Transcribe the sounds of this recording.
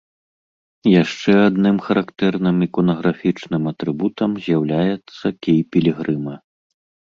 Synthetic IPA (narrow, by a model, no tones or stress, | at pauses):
jaʂt͡ʂɛad̪nɨmxɐɾʔakt̪ɛrnɨmikɔnɐɣɾafʲit͡ʂnɨmɐt̪ɾɨbut̪ɐmzʲjawlʲajɛt̪sːɐkʲejpʲɛlʲiɣɾɨmɐ